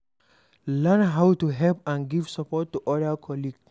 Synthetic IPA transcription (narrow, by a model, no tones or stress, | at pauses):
lɛ̃nɦawtuɦɛlpãnɡivsɔpɔtːuʔɔdakʰɔliɡs